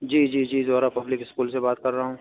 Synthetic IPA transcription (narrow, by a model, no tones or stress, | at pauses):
d͡ʒiːd͡ʒiːd͡ʒiːzoːɾapɐblɪkɪskuːlsebaːt̪̚kɐɾːɐɦaɦõː